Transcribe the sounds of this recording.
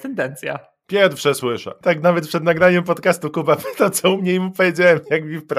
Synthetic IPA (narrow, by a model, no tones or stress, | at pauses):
t̪ɛnd̪ɛnt̪sʲja̰ | pʲjɛɾfʂɛswɘʂɛ̰t̪aknavɛt̪̚pʂɛd̪naɡɾaɲɛmpɔt̪kast̪ukubapɘt̪at̪sɔumɲɛimupɔjed͡ʑawɛmjakmʲifpɾa